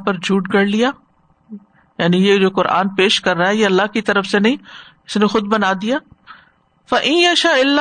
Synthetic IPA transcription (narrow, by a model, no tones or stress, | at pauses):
pɐɾd͡ʒʱuːʈɡɐɽlijaː | jaːnijed͡ʒoːkʊɾʔa̰ːnpeːʃkɐɾːaːɦɛjeɐlːaɦkit̪ɐɾəfsenɐɦĩ | ɪsnexʊd̪̚bɐnaːd̪ijaː | fɐʔɪ̃njɐʃaɪlːa